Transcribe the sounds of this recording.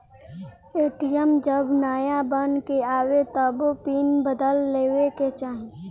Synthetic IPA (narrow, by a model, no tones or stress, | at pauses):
eːʈijəmd͡ʒəbnaːjabənkeaːwet̪ɐbpiːnbəd̪əlːeːweket͡ʃaːɦẽ